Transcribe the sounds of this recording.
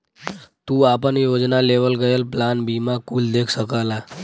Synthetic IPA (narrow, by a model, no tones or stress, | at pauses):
t̪uːapəɳjod͡znaleʋəlɡəjəlplanbimakuːld̪ekʰsəkala